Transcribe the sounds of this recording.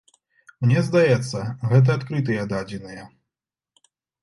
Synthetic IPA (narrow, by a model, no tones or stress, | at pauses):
mnʲɛzd̪ajɛt̪sːɐɣɛt̪̬ɐat̪kɾɨt̪ɨjɐd̪ad͡zʲinɨjɛ